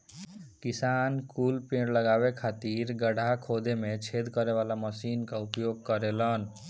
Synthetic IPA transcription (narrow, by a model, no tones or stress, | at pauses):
kisankulpẽɽləɡabekʰat̪iɾɡəɽ̤ʱakʰod̪ʱemet͡ʃʰed̪kʌɾeʋalaməsinkaupjoɡ̚kʌɾelʌn